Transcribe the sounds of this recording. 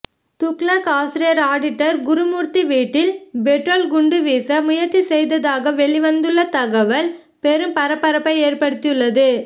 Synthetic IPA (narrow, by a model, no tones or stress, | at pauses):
t̪ʊkɭɐkaːsɪɾɪjɐɾaːɽɪʈːɐɾɡʊɾɯmuːɾt̪iʋiːʈːɪlbɛʈroːlɡʊɳɖɯʋiːsɐmʊjɐɾt͡ʃːisɛjðɐðaːɣɐʋɛɭɪʋɐnd̪ɯɭːɐt̪ɐɣɐʋɐl | pɛɾɯmpɐɾɐpːɐɾɐpːɐɪeːɾpɐɽɯt̪ːɪjɯɭːɐðɯ